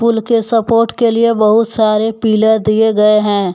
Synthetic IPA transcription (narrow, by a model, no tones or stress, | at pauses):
ʊlkesɐpoːɾʈkeliebɐɦʊt̪saːɾepiːləɾd̪ieɡɐeɦɛ̃ː